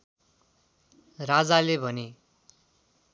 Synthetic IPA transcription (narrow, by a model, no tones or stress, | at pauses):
rad͡zalebʱʌne